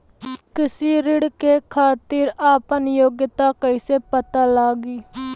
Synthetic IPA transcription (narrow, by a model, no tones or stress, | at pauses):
kɪsiːɾɪɽkeːkʰaːt̪iːɾaːpənjoːɡjət̪aːkəiseːpət̪aːlaːɡiː